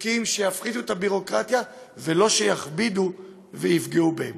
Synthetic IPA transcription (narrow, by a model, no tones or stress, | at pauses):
kimʃejafχid̪uet̪abiʁo̞kʁat̪ja | velo̞ʃejaχbid̪u | vejifɡiubeem